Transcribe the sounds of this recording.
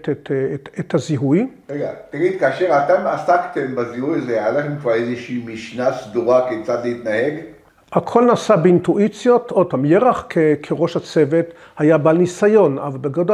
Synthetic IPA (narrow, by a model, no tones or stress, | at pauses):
tetet̪haziɦujʁeɡat̪aɡid̪̚kaːʃeʁat̪emasakt̪embazihujazealaχemkvaezeʃiːmiʃnasd̪uʁakekt͡sat̪leit̪naheɡ | hakʰo̞lnasabeintuʔit͡sjo̞tod̚pamjeʁaχkʰekʰeʁo̞ʃhat͡se̞ve̞t | hajabalnisajo̞na̰valbeɡod